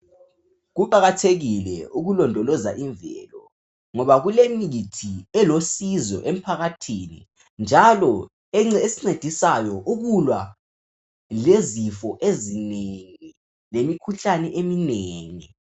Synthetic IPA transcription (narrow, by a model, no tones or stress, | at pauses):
ɣuǃaɣatʰeɣilɛ̰uɣulɔndʱɔlɔza̰ʔiɱvɛ̰lɔ | ŋɔβaɣulemitʰiɛlosizɔ̰ʔem̩pʰaɣatʰiːnḭ | nd͡ʒʱalɔ | ɛŋ͡ǀɛesi̥ŋ͡ǀed̥ʱisajɔʔuɣulwa | lezifɔʔezineŋi | lemikʰuɬanɛʔemineːŋi